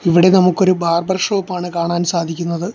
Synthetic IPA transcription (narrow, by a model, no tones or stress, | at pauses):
iʋiɽe̞nɐmukːo̞ɾubʱaːrbɐrʂɐopːaːɳɨkaːɳaːnsaːd̪ʱikʲːunːɐðɨ